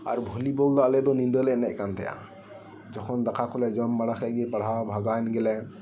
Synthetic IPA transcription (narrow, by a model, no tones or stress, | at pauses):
a̰ɾbʱulibɔld̪ɔalɛd̪ɔnĩnd̪ɔlɛnɛʔkant̪ʰɛja̰ | d͡ʒɔkʰɔnd̪akʰakʰɔlɛd͡ʒɔmbaɽakʰɛɡepaɽ̤abʱaɡanɡɛlɛ